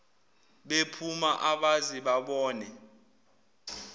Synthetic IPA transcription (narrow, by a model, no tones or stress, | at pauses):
ɓepʰumaʔaɓaziɓaɓɔːnɛ